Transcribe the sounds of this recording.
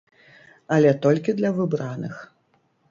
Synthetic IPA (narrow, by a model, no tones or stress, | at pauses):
ɐlʲɛt̪ɔlʲkʲid̪lʲɐvɨbɾanɨ̰x